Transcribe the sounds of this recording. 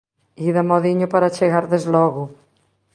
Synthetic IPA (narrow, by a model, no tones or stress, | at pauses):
iðamɔðiɲopaɾat͡ʃeɣaɾðezlɔɣu